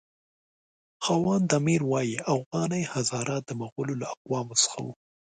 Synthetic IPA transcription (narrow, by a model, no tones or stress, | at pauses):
xɑwɑnd̪amiɾwɑjiafɣɑnəjhazɑɾɑt̪̚d̪əmaɣʊlolaaqwɑmosə̥xa̰wṵ